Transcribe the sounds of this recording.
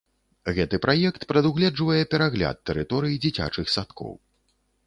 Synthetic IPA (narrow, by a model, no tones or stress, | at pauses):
ɣɛt̪ɨpɾajɛkt̪pɾɐd̪uɣlʲɛd͡ʐvɐjɛpʲɛɾaɣlʲa̰t̪ːɛɾɨt̪ɔɾɨjid͡zʲit͡sʲa̰t͡ʂɨxsat̪kʰɔ̰w